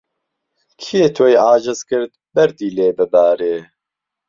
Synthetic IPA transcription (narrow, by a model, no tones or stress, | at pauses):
kʰijeːt̪ʰojaːd͡ʒɐzkɨɾt̪̚bɛɾd̪iːleːbɨbaːɾeː